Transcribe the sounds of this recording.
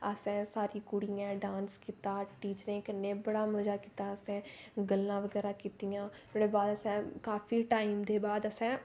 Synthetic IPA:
əsɛ̃ːsaːɾiːkʊɽijãːɖãːnskiːt̪aːʈiːt͡ʃɾẽːkənːẽːbəɽaːməd͡ʒaːkiːt̪aːəsɛ̃ːɡəlːãːʋəɡɛːɾaːkiːt̪ijãː | meɽeːbaːd̪əsɛ̃ːkaːpʰiːʈaːiːmd̪eːbaːd̪əsɛ̃ː

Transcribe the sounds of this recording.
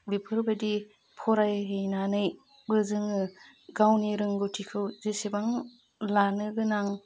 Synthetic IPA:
bipʰɯɾbadi | pʰɔɾajɦɯjnanɯj | bɯzɯŋɯ | ɡawniɾɯŋɡɯtʰikʰɯwzesebaŋ | lanɯɡɯnaŋ

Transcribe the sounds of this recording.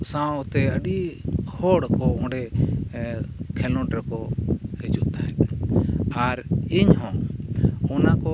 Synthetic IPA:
sãɔt̪ɛəɗihɔɽkɔɔ̃ɖɛ | kʰɛlɔ̃ʈɾɛkɔhɛd͡ʒuʔt̪aɦɛn | aɾiɲhɔ̃ | ɔnakɔ

